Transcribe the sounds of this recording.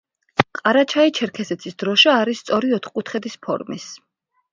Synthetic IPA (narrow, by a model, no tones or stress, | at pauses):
qʼaɾat͡ʃʰait͡ʃʰɛɾkʰɛsɛt̪sʰisd̪ɾɔʃaːɾist̪sʼɔɾiɔt̪χkʼut̪ʰχɛd̪ispʰɔ̰ɾmḭs